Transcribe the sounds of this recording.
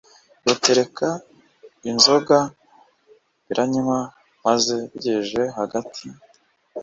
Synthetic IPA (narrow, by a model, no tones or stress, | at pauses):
ɡoteɾe̞kʰa | inzo̞ɡa | βiɾʔaɲima | maze̞βiɟeʒe̞ɦaɡatʰi